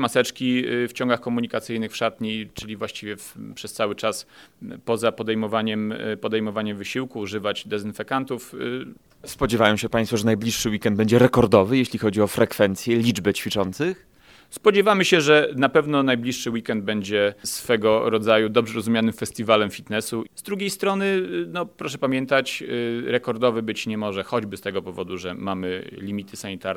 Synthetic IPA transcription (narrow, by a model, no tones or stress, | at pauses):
masɛt͡ʂkʲift͡ɕɔ̃ŋɡaxkɔmuɲikat̪sɘjnɘxfʂat̪ɲejt͡ʂɘlʲivwaɕt͡ɕivʲjɛfpʂɛst̪sawɘt͡ʂaspɔzapɔd̪ɛjmɔvaɲɛmpɔd̪ɛjmɔvaɲɛmvɘɕiwkuːʐɘvad͡ʑd̪ɛzɘnfɛkant̪uf | spɔd͡ʑɛvajɔ̃w̃ɕɛpaɲj̃sfɔʐɛnajblʲiʂʂɘwikɛnd̪̚bɛɲd͡ʑɛɾɛkɔɾd̪ɔvɘjeɕlʲixɔd͡ʑiɔfɾɛkfɛnt̪sʲjɛlʲid͡ʐbɛt͡ɕfʲit͡ʂɔnt̪sɘx | spɔd͡ʑɛvamɘɕɛʐɛnapɛvnɔnajblʲiʂʂɘwikɛnd̪̚bɛɲd͡ʑɛsfɛɡɔɾɔd̪zajud̪ɔbʐɛɾɔzumʲjanɘmfɛst̪ʲivalɛmfʲit̪nɛsuzd̪ɾuɡʲejst̪ɾɔnɘnɔpɾɔʂ̬ɛpamʲjɛnt̪at͡ɕɾɛkɔɾd̪ɔvɘbɘt͡ɕɲɛmɔʐɛxɔd͡ʑbɘst̪ɛɡɔpɔvɔd̪uʐɛmamɘ̰lʲimʲit̪ʰɘsaɲit̪aɾ